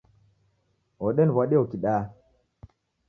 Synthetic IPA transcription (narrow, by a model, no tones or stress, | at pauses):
oɗɛnvaɗeokiɗaː